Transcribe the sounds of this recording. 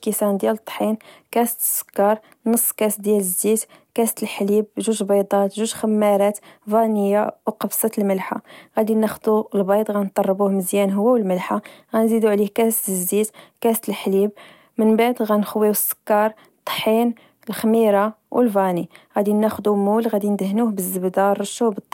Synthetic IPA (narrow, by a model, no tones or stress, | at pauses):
kisænd̪jælət̪ˤːħinkæsə̥t̪ə̥sːə̥kːɑɾˤ | nəsˤːkæsd̪jæləzːit̪ | kæsə̥t̪əlħlib̚ʒuʒbɑjd̪ˤɑt̪ʒuʒxəmːæɾˤɑt̪vænəjːawqɑbsˤɑt̪əlməlħa̰ɣæd̪inæxd̪ulbɑjd̪ˤɣænt̪ˤːɑrˤːbuhməzjænɦəwːæwəlməlħaɣænzid̪uʕlihkæst̪əzːit̪kæsə̥t̪əlħlib | mənbaʕd̪ɣænxwiwəsːə̥kːɑɾˤ | t̪ˤːħin | əlxmiɾˤɑ | wʔəlvɑniɣæd̪inːæxd̪umulɣæd̪ind̪əɦnuhbəzːəbd̪ɑɾˤʃːubət̪ˤː